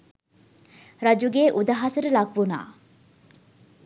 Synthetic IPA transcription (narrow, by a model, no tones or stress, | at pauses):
ɾɐd͡ʒuɡeːʔud̪ɐɦɐsɐɾulɐɡʋuna̰ː